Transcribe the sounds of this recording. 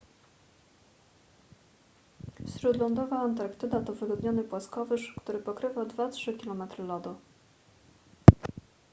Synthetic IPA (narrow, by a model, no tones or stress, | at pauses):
ɕɾud̪lɔnd̪ɔvaːnt̪aɾkt̪ɘd̪at̪ɔvɘɡɔd̪ɲɔnɘpwaskɔvɘʂkt̪uɾɘpɔkɾɘvawd̪vatʂɘkʲilɔmɛt̪ɾɘlɔd̪u